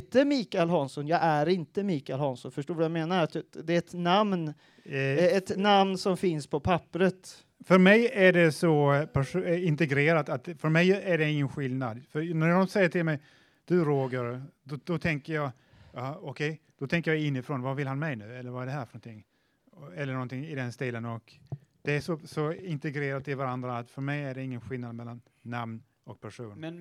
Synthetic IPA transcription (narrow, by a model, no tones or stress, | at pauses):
t̪əmiːkaɛlɦɑnsɔnjɑːɡæɾɪnt̪əmiːkaɪɛlhɑnsɔnfəʂʈoːvajameːnaɾat̪d̪ɛɛt̪namn | ɛt̪namnsɔmfɪnspʰɔpʰapːɾət̪ | fœɾmɛjæɖɛsɔpʰæʂɪnt̪ɛɡɾeːɾat̪at̪̚fœɾmɛjæɖɛɪŋːənɧɪlnad̪fœɾnæɾdɔmsɛjːəʈʰɪlmɛj | d̪̥ɵɾoːɡəɾd̪ɔd̪̥ɔt̪ʰɛŋkəɾjɑː | jɑːɔkʰɛj | d̪̥ɔt̪ʰɛŋkəɾjɑɪnːɪfɾɔnvavɪlhanmɛjnʉ̟ːɛlːəɾvaɛɖɛɦæːɾfœnɔnt̪ʰɪŋː | ɛlːəɳɔnt̪ʰɪŋɪd̪ɛnst̪iːlənɔkd̪̥ɛæʂɔsɔɪnt̪ɛɡɾeːɾat̪ːɪlvaɾand̪ɾaːt̪fœɾmɛjæɖɛɪŋːənɧɪlnad̪mɛlːanːamn | ɔk̚pʰæʂuːn